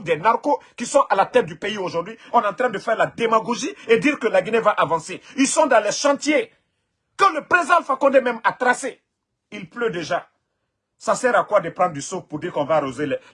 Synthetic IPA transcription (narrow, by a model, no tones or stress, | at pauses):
d̪ɛnaʁkokisɔ̃ʔalat̪ɛt̪̚d̪ypeioʒud̪ɥiɔ̃nɑ̃t̪ɾɛ̃d̪əfɛːʁlad̪emaɡoʒied̪iːɾkəlaɡinevaʔavɑ̃seilsɔ̃d̪ɑ̃lɛʃɑ̃t̪je | kɑ̃ləpɾezid̪ãlfakɔ̃nd̪ɛmɛ̃mat̪ɾase | ilplød̪eʒa | sasɛɾakwad̪əpɾɑ̃d̪d̪ysopuɾd̪iɾkɔ̃vaɾozelɛ